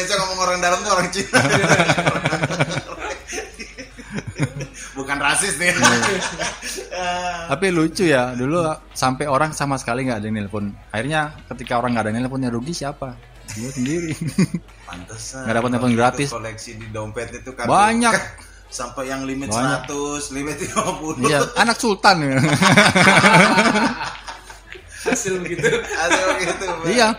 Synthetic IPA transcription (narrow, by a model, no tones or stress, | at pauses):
asaŋamaŋoɾaŋdaləŋt̪uoɾaŋt͡ʃina | bukanrasɪsni | t̪apilut͡ʃujadulu | sampɛoɾaŋsamasə̥kaliŋɡaːdanilpʊnahirɲakət̪ikaoɾaŋɡadaŋnilp̬ʊnɲaɾuɡisiapa | iŋasəndiɾi | pa̰nt̪asɡadapat̪̚ŋapʊnɡɾat̪ɪsolɛksididampɛt̪̚it̪ukabaɲak | sampɛjaŋlimɪt̪baat̪ʊslimɪt̪̚imapulijaanaksult̪an | hasɪlɡit̪uadakit̪uija